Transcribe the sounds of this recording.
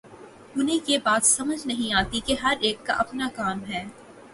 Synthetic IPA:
ʊnɦẽjebaːt̪sɐməd͡ʒnɐɦĩaːt̪ikeɦɐɾeːkːa̰ʔɐpnakaːmɦɛː

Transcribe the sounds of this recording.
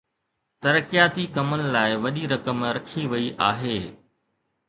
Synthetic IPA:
t̪ɐɾəkijaːt̪ikɐmənɪ̆laːɪʋɐɗiɾɐkəmɾɐkʰiʋɐiʔa̰ːɦeː

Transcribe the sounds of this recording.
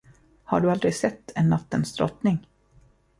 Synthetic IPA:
ha̰ɖɵald̪ɾɪɡsɛt̪ːɛnːat̪ːənsd̪ɾɔ̰t̪nɪŋ

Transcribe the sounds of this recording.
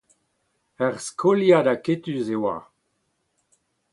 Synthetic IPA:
ɛʁskʰoljad̪aket̪ysewa̰

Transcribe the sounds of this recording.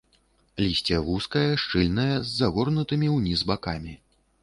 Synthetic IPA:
lʲisʲt͡sʲɛvuskɐjɐʂt͡ʂɨlʲnɐjɐzːaɣɔrnut̪ɨmʲiwnʲizbakamʲi

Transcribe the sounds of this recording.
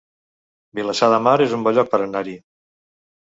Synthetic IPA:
biləsaðəmaɾezumbɔʎɔk̚pəɾənaɾi

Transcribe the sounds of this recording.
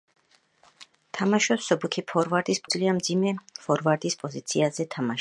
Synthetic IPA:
t̪ʰamaʃɔsɔbukʰipʰɔɾvaɾd̪ʼispʼd̪zliamd̪zimɛfɔɾvaɾd̪ispʼɔzit̪sʰiazɛt̪ʰamaʃ

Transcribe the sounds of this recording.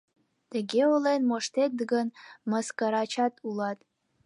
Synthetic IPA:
t̪əɡʲeolenmoʃt̪et̪̚ɡənməskəɾɑt͡ɕɑt̪ʰulɑt̪

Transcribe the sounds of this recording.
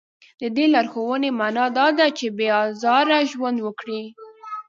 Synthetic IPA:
d̪əd̪elaɾxowənemanɑd̪ɑd̪at͡ʃebeɑzɑɾaʒwand̪wəkɽi

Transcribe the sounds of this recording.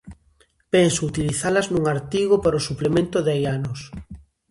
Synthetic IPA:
pensout̪iliθalaznũŋaɾt̪iɣopaɾosuplemẽnt̪ʊðajanos

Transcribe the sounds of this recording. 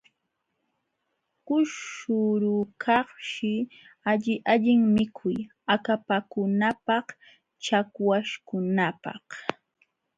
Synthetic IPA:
kʊʃʃʊɾʊkʰɑχʃɪ | aʎɪʔaʎɪŋmɪkʰʊj | akapakʊnapɑχ | t͡ʃakwaʃkʊnapɑ̰h

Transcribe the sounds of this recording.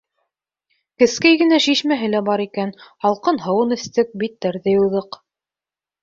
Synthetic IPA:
kɘ̆skæjɡɘ̆næʃiʃmæɦɘ̆læbɑɾikænɑlˠqɤnɦɤ̆wɤnɘ̆st̪ɘk̚bit̪̚ːæɾðɘjuðɤq

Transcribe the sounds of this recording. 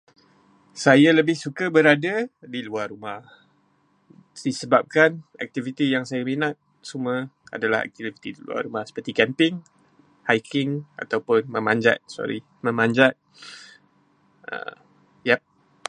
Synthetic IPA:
sajaləbɪhsukəbəɾadadiluarɾumah | sisəbap̚kana̰k̚t̪ivit̪ijaŋsajaminãt̪̚ | suməa̰dalaha̰k̚t̪ivit̪idilṵa̰rumahsə̥pərt̪ikɛmpɪŋ | hajkʰɪŋa̰t̪awpʊnməmãɲd͡ʒa̰t̪̚sɔ̰ɾi | mə̃mãɲd͡ʒat̪̚ | ə̰ | jap̚

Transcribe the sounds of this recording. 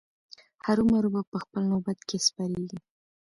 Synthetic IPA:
haɾumaɾubapəxpəlnobat̪kespɑɾeɡi

